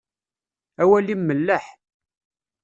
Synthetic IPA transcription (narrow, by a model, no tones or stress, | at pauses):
æwælimːəlːəħ